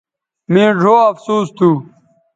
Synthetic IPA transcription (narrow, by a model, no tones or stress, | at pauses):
mĩːɖʱoːɐfsuːst̪ʰuː